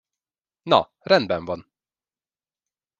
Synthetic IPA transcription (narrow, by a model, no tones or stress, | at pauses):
nɑ̰ː | ɾɛnbɛnvɑn